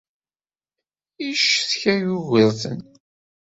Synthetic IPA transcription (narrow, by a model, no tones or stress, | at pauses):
iʃθçæjuɣəɾθə̰n